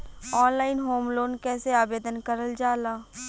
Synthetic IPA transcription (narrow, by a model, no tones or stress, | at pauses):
ɔːnlaːɪnɦoːmloːnkɛːseaːbeːd̪ənkɐɾəld͡ʒaːlaː